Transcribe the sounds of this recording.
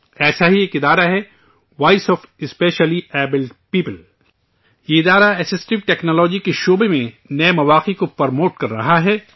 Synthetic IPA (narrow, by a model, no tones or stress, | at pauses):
ɛːsaɦieːkɪd̪aːɾaɦɛ | ʋaːɪsɔːfɪspeːʃəliɛːbɪlpiːpəl | jeɪd̪aːɾaɛsɪsʈɪʋʈɛːknɔːlɔːd͡ʒikeʃoːbemẽ | nɐemɐʋaːqikopɐɾmoːʈkɐɾːɐ̰ɦaɦɛː